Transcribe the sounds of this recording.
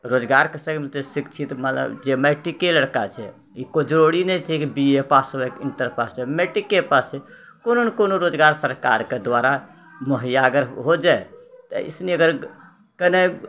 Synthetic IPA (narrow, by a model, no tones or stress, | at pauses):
ɾod͡ʒɡaɾkesə̃kmet̪esikt͡ʃʰit̪mət̪lə̰bd͡ʒemɛʈikeləɽkat͡ʃʰɛ̰ | ikod͡ʒɾoɽinɛt͡ʃʰɛkibiepasəbekint̪əɾpast͡ʃʰɛmɛʈikepast͡ʃʰɛ | kononkonoɾod͡ʒɡaɾsəɾka̰ɾked̪ʋaɾa | məɦəjaɡəɾɦod͡ʒaet̪ə̰ḭsneəɡəɾ | kəne